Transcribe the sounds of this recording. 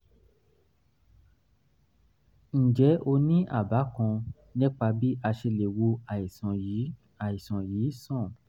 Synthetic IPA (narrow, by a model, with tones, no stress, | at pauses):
n̩˨d͡ʒɛ˨˦ʔo˧nĩ˦ʔa̰˦˨ba˨˦kɔ̃˧ | nĩ˦k͡pa˧bi˦ʔa˧ʃe˧le˨wo˧a˨sɔ̃˨˦ | a˨i˨sɔ̃˨jiː˨˦sɔ̃˦˨